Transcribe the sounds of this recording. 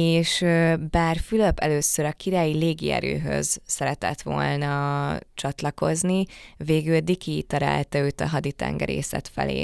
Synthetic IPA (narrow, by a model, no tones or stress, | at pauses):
eːʃbaːrfyløpɛløːsøɾɒkiɾaːjileːɡiɛ̰ɾø̰ːɦø̞̰z̥sɛɾɛt̪ɛt̪ʋo̞̰lnɒt͡ʃɒt̪lɒko̞zniveːɡyld̪ikʰiːt̪ɒɾa̰ːlt̪ɒøːt̪ɒɦɒd̪it̪ɛ̰ŋɡɛ̰ɾḛːsɛ̰t̪fɛ̰lḛː